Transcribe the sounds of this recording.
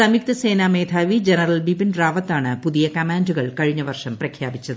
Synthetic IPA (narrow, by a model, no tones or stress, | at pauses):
sɐmjik̚t̪ɐseːnaːmeːd̪ʱaːʋid͡ʑenɐrɐlbibinraːʋɐt̪ːaːɳɨpuðijɐkɐmaːnduɣɐɭkɐɻiɲːɐʋɐrʂɐmprɐkʰjaːbit͡ɕːɐðɨ